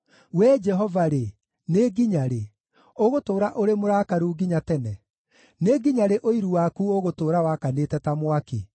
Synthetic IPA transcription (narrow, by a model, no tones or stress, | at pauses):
wɛːd͡ʒɛɦɔvaɾe | neɡiɲaɾe | oɣotoːɾaʔoɾemoɾakaɾuːɡiɲatɛnɛ | neɡiɲaɾeʔoiɾuwakuoɣotoːɾawakanetɛtamwake